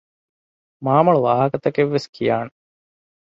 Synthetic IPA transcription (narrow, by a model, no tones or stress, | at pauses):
maːmɐɭuʋaːɦɐkɐt̪ɐkeʋːeskʰijaːne